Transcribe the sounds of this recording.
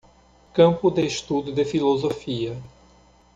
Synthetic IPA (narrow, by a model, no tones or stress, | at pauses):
kɐ̃mpʊd̪eʃt̪ud̪ʊd̪ɪfilozofiɐ